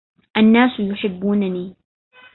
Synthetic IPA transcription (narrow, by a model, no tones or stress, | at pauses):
ʔanːaːsjʊħɪbːuːnaniː